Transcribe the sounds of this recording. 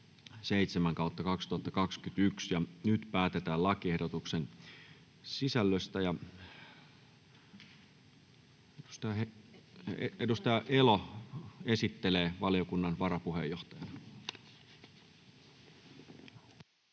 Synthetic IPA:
seit̪semæŋkɑˑut̪ːɑkɑkst̪uhɑt̪ːɑkɑkskyt̪yksjɑnyt̪pæːt̪et̪æːlɑkiehdot̪uksen | sisælːøst̪æjɑ | edust̪ɑjɑe | eedust̪ɑjɑʔelo | esit̪ːeleːʋɑlijokunːɑnʋɑɾɑpuhejjoht̪ɑjɑn

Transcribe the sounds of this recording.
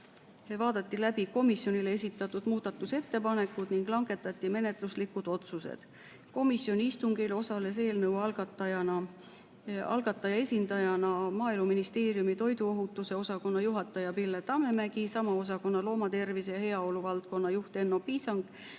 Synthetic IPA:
vɑːd̪̥ɑt̪ːilæbiko̞misjo̞nilee̞sit̪ːˑɑt̪ːud̪̥muːd̪̥ɑt̪ːˑuse̞t̪ːe̞pɑne̞kːˑud̪̥niŋɡ̥lɑŋɡe̞t̪ːˑɑt̪ʲˑːime̞ne̞t̪ˑluslikːud̪̥o̞t̪susḛd̪̥ | ko̞misjo̞niist̪uŋkelo̞sɑle̞s̬e̞ːlnɤwɑlɡ̥ɑt̪ːˑɑjɑnɑ | ɑ̰lɡ̥ɑt̪ːˑɑjɑe̞sʲind̪ɑjɑnɑmɑːilmuminist̪e̞ːrijumit̪o̞jd̪uo̞ɦut̪ːˑuse̞o̞sɑko̞nːɑjuɦɑt̪ːˑɑjɑpilːet̪ɑme̞mæɡ̥isɑmɑo̞s̬ɑko̞nːɑlo̞ːmɑt̪e̞rvisejɑhe̞ɑo̞luvɑlt̪̚ko̞nːɑjuht̪e̞nːo̞piːsɑŋɡ

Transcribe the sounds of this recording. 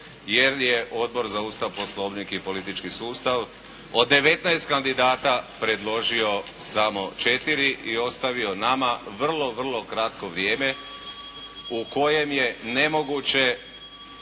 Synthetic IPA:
je̞ɾjeʔo̞d̪̚bo̞ɾzauːst̪aʋpo̞slˠo̞ʋnikipo̞lit̪it͡ʃkisuːst̪aʋ | od̪ːe̞ʋe̞t̪naest̪̚kand̪id̪aːt̪apɾe̞d̪lo̞ʒio̞samo̞t͡ʃe̞t̪iɾiʔio̞st̪aʋio̞namaʋr̩lˠo̞ʋr̩lˠo̞kɾat̪ko̞ʋɾje̞ːme̞ | uko̞je̞mje̞ne̞mo̞ɡut͡ɕe̞

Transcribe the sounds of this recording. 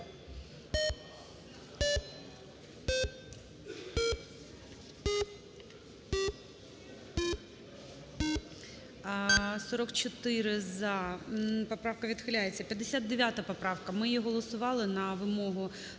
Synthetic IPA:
sɔɾɔkt͡ʃɔt̪ɪɾɪzɐpɔpɾɑwkɐʋʲid̪xɪlʲajet͡sʲːɐpʲjɐd̪ːesʲad̪̚d̪eʋʲjat̪ɐpɔpɾɑwkɐmɪjiɦɔlˠɔsʊʋɑlˠɪnɐʋɪmɔɦʊ

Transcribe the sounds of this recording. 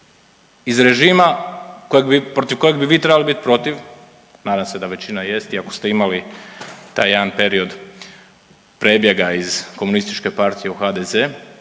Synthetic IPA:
izɾe̞ʒiːmakojeɡbipɾo̞t̪iʋko̞jeɡbiʋiːt̪ɾe̞balibit̪ipɾo̞t̪iʋ | naːd̪amse̞d̪aʋe̞t͡ɕinaje̞st̪iako̞̥st̪e̞imalit̪a̰ːjaanpe̞ɾio̞d̪ | pɾebje̞ɡaizko̞munist̪it͡ʃke̞paɾt̪ije̞uxaːd̪eze

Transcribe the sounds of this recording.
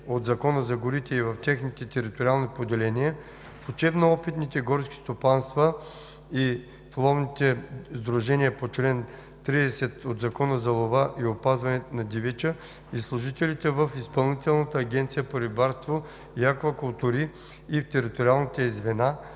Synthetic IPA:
od̪zɐkɔnəzɐɡʊɾit̪ɛivəft̪ʲɛxnit̪ɛt̪ɛɾit̪oɾialˠnipod̪ɛlɛnijə | fʊt͡ʃɛbnoɔpit̪nit̪ɛɡɔɾskʲi̥st̪opanst̪və | i | flˠɔvnit̪ɛzd̪ɾuʒɛniəpot͡ʃlɛn | t̪ɾiɛsɛt̪od̪zɐkɔnəzɐlˠovaʔiopazvɐnɛnɐd̪ivɛt͡ʃə | islˠʊʒit̪ɛlit̪ɛvəfispɐlˠnit̪ɛlˠnɐt̪əːɡʲɛnt̪sijəpoɾibaɾst̪vo | iakvɐkʊlˠt̪uɾiː | ft̪ɛɾit̪oɾialˠnit̪ɛzvɛna

